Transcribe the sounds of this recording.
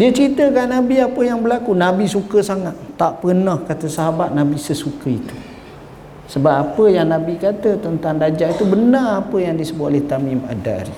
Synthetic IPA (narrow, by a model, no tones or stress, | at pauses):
diət͡ʃəɾit̪əkanabiapəjaŋbəlakunabisukəsaŋat̪ːaʔpənəhkat̪əsaɦabat̪̚nabisəsukəit̪u̥ | səbapapəjaŋnabikat̪ət̪ənt̪aŋdad͡ʒait̪ubənarapəjaŋdiəsəbʊt̪olɛht̪amima̰da̰ɾḭ